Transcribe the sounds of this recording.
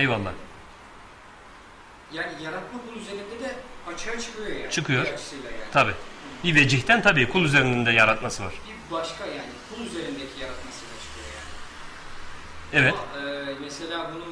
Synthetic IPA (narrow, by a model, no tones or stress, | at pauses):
ejolˠːa̰ | jaːnijaɾat̪makʰulˠyze̞ɾind̪ɛd̪ɛat͡ʃʰajat͡ʃʰɯ̥kʰɯjo̞ja̰ːt͡ʃʰɯkʰɯjo̞ɾt͡ʃsilʲˠajaːt̪ʰabiːbived͡ʒiçt̪ʰænt̪ʰabiːkʰulˠyzeɾinind̪ɛjaɾat̪masɯva̰ɾ̥bibaʃkajaːnikʰulˠyze̞ɾind̪ecʰijaɾat̪masɯd̪at͡ʃʰɯ̥kʰɯjo̞ja̰ːnɪ | ɛvɛt̪ɛːmese̞lʲaːbunun